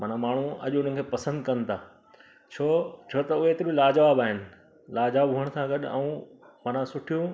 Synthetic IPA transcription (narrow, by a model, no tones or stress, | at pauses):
mɐnãmaːɳ̤ũɐ̰ʄʊn̤ən̆kʰepɐsə̃nd̪kɐ̃nt̪ʰaː | t͡ɕʰoːt͡ɕʰoːt̪ɐʊɦeːt̪ɪɾilaːd͡ʑʋaːbaːɦɪnɪ̆ | laːd͡ʑʋaːbɦuəɽ̃sʰãɡɐɗɛ̰̃ũ | mɐnãsʊʈʰijũ